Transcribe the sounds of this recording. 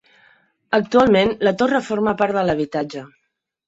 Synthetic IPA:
ək̚t̪ualˠmenlət̪orəfoɾməpaɾðələβ̞it̪ad͡ʒə

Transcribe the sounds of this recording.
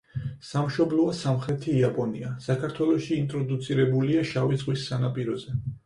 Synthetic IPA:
samʃɔblˠɔasamχɾɛt̪ʰiːapʼɔniasakʰaɾt̪ʰwɛlˠɔʃiːnt̪ʼɾɔd̪ut̪sʰiɾɛbuliaʃavidzʁwisːanapʼiɾɔzɛ

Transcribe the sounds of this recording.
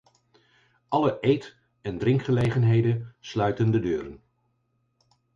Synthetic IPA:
ʔɑləʔejt | ɛndrɪŋkχəlejχənɦejdənslœɥtəndədøːɾən

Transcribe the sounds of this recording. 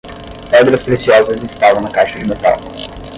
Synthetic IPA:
ɛd̪ɾɐspɾesiɔzɐzɪst̪avɐnɐkat͡ʃɪd͡ʒɪmet̪a̰lʊ

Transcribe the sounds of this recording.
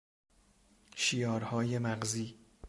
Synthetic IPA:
ʃijɒːɾhɒːje̞mæɢziː

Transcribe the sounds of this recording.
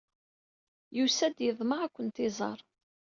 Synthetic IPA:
jusæd̪jəðˤməʁækʷːənt̪ɪzˤɑ̰ɾˤ

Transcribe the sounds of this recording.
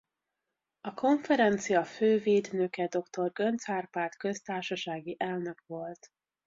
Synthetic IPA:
ɒko̞ɱfɛɾɛnt̪sijɒføːveːd̪nøkɛd̪o̞kt̪o̞rɡø̞nt̪saːrpaːrt̪kø̞st̪aːrʃɒʃaːɡiʔɛlnø̞kʋo̞lt̪

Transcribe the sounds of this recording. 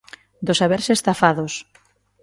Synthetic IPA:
d̪osaβeɾsest̪afaðos

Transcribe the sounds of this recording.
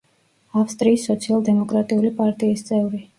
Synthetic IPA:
afst̪ʼɾiːsːɔt̪sʰialˠd̪ɛmɔkʼɾat̪ʼiulipʼaɾt̪ʼiːst̪sʼɛvɾi

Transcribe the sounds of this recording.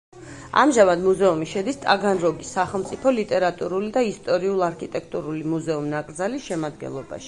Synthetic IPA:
a̰mʒamad̪muzɛumiʃɛd̪ist̪ʼa̰ɡanɾɔɡisaχɛlˠmt̪sʼipʰɔlit̪ʼɛɾat̪ʼuɾulid̪aist̪ʼɔɾiulˠaɾkʰit̪ʼɛk̚ʰt̪ʼuɾulimuzɛumnakʼɾd̪zalisʃɛmad̪ɡɛ̰nlˠɔba̰ʃi̥

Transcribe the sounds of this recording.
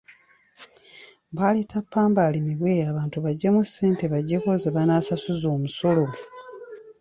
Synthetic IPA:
βaleːtʰapːaːmbalimiβweaːβaːntuβaɟːemuseːnteβaɟːekozeβanaːsasuzoːmuso̞lo̞

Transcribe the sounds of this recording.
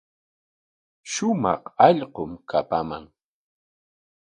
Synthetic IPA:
ʃʊmɑ̰χɑʎqomkʰapama̰ŋ

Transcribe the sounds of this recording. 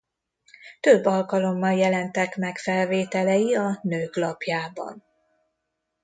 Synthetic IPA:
t̪øbːɒlkɒlo̞mːɒljɛlɛnt̪ɛkmɛkfɛlveːt̪ɛlɛjiɒnøːklɒpjaːbɒ̰n

